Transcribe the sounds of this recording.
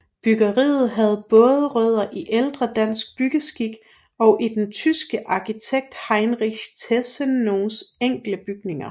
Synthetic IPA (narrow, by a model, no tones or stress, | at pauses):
b̥yɡ̥ɐʁḭːð̞̩ˠɦæð̞̩ˠb̥ɔ̽ːð̞ˠəʁœð̞̰ˠɐʔiʔeld̥ʁɐd̥æn̰sɡ̥̚b̥yɡ̥əsɡ̥iɡ̥ | ɒ̽ʊʔid̥ent͡sʰysɡ̥əʔɑ̈kʰit͡sʰeɡ̥̚d̥hɑ̈ɪnʁiçt͡sʰesənːo̝ːnseŋ̰ɡ̥ləb̥yɡ̥ne̝ŋɐ